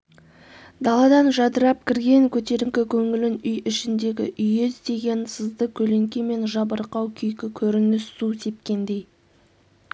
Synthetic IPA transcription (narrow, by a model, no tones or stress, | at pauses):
d̪ɑlˠɑd̪ɑnʒɑd̪əɾɑp̚kʲʰɪɾɡʲe̞ŋkʲʰɵt̪e̞ɾɪmkʲɪkʲʰɵŋɪlɪnʏjʔɪʃɪnd̪e̞ɡʲɪ̰ʔʏjɪzd̪e̞ɡʲe̞nsəzd̪əkʲʰɵle̞ŋkʲeme̞nʒɑbəɾqɑwkʲʰʏjkʲɪkʲʰɵɾɪnɪssuse̞p̚kʲe̞nd̪e̞j